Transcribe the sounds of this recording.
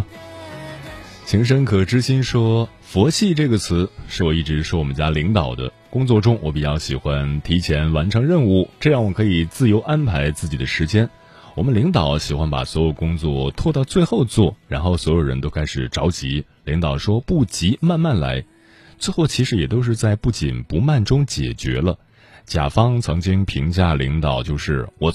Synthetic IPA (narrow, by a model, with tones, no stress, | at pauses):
t͡ɕʰi˧˥ŋʂ̬ə˥ŋkʰɤ˨˩ʈ͡ʂɻ̩˥ɕi˥nʂwɔ˥ | fwɔ˧˥t͡ɕʰi˥˧ʈ͡ʂɤ˥˩ɡə˩t͡sʰɹ̩˧˥ʂɻ̩˥˩wɔ˨˩i˥˩ʈ͡ʂɻ̩˧˥ʂɔ˥wɔ˨˩mə˦nt͡ɕja˥li˧˥ŋt̪ɑ˨˩ʊd̪ə̰˦kʊ˥ŋt͡swɔ˥˧ʈ͡ʂʊ˥ŋwɔ˧˥pi˨˩t͡ɕjɑ˥˩ʊɕi˨˩xwa˥nt̪ʰi˧˥t͡ɕʰjɛ˧˥nwa˧˥nʈ͡ʂʰɤ˧˥ŋɻə˥˧nu˥˩ʈ͡ʂɤ˥˧jɑ˥˩ŋwɔ˨˩kʰɤ˧˥i˨˩t͡sɹ̩˥˩jo˧˥ʊʔa˥npʰa˧˥ɪt͡sɹ̩˥˩t͡ɕi˨˩d̪ə˦ʂɻ̩˧˥t͡ɕjɛ˥n | wɔ˨˩mə˦nli˧˥ŋt̪ɑ˨˩˦ʊɕi˨˩xwa˥npa̰˨˩swɔ˧˥jo˨˩ʊkʊ˥ŋt͡swɔ˥˩t̪ʰwɔ˥˧t̪ɑ˥˧ʊt͡swe˥˧ɪxo˥˧ʊt͡swɔ˥˩ɻa˧˥nxo˥˩ʊswɔ˧˥jo˨˩ʊɻə̰˧˥nt̪o˥ʊka˥ɪʂɻ̩˨˩ʈ͡ʂɑ˧˥ʊt͡ɕḭ˧˥ | li˧˥ŋt̪ɑ˨˩ʊʂwɔ˥pu˥˩t͡ɕi˧˥ma˥˧nma˥˩nla̰˧˥ɪ | t͡swe˥˧ɪxo˥˩ʊt͡ɕʰi˧˥ʂɻ̩˧˥jɛ˨˩t̪o˥ʊʂɻ̩˥˧t͡sa˥˧ɪpu˥˩t͡ɕi˨˩npu˧˥ma˥˩nʈ͡ʂʊ˥ŋt͡ɕjɛ̰˨˩t͡ɕɥɛ̰˧˥lə˧ | t͡ɕja̰˨˩fɑ˥ŋt͡sʰɤ˧˥ŋt͡ɕi˥ŋpʰi˧˥ŋt͡ɕja˥˩lḭ˧˥ŋt̪ɑ˨˩ʊt͡ɕjo˥˧ʊʂɻ̩˥˩wɔ˨˩